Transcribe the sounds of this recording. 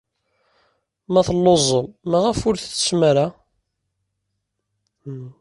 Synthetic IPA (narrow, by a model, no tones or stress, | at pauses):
mæθlːozˤəmmæʁəfʊɾθθə̥smæɾa